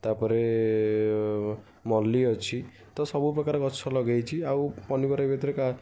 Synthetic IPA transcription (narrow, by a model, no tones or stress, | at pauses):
t̪apɔɾe | mɔlːiɔt͡ʃʰi | t̪ɔsɔbupɾɔkaɾɔkɔt͡ʃʰɔlɔɡajt͡ʃʰiawpɔnibɔɾabet̪ɔɾeka